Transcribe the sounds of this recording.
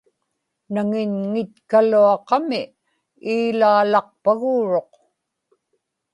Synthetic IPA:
naŋɪɲŋɪt̪kaluɑqɑmɪ | iːlaːlɑq̚paɣuːɻo̞q

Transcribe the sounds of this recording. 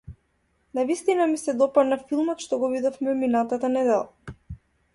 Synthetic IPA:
navist̪inamisɛd̪ɔpad̪nafilˠmɔt̪ʃt̪ɔɡɔvid̪ɔfmɛminat̪at̪anɛd̪ɛlˠa̰

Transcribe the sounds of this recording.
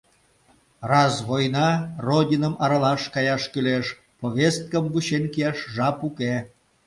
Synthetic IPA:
rɑsβojnɑrodʲinəmɑɾɑlɑʃkɑjɑʃkyleʃ | poβʲest̪̚kəmvuɕenkijɑʃʒɑpuke

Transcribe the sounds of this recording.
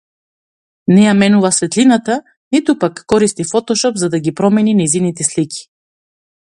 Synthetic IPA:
nɛjamɛnuvasvɛt̪linat̪a | nit̪upakːɔɾist̪ifɔt̪ɔʃɔpzad̪aɡʲipɾɔmɛninɛjzinit̪ɛslikʰʲi̥

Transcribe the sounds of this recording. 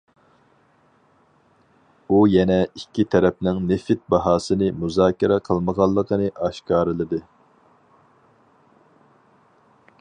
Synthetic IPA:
ujɛnɛikʲʰːit̪ʰɛɾɛp̚nɪŋnɪfɪt̪̚bɑɦɑːsɨnɨmuzɑːkʰʲiɾɛqʰəlˠməʁɑlˠːəqʰənɨʔɑʃkɑːɾɨlˠɨd̪ɨ

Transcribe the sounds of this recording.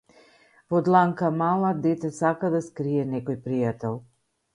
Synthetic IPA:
vɔd̪lˠaŋkamalˠad̪ɛt̪ɛsakad̪askɾiɛnɛkɔjpɾijat̪ɛlˠ

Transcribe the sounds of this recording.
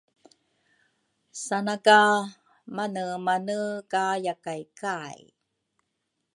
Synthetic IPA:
sanaka | manəmanəkajakajkaj

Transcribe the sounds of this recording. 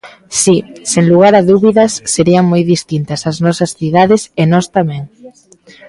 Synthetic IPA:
siseŋluɣ̞aɾɐðuβiðɐsːeɾiɐŋmojðist̪int̪ɐsɐznɔsɐsθiðaðɪsenɔst̪amɛ̃ŋ

